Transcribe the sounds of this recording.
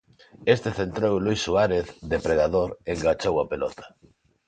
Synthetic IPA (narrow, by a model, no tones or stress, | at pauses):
est̪eθent̪ɾowlujsuaɾeθd̪epɾeðaðoɾeŋɡat͡ʃowapelɔt̪ḁ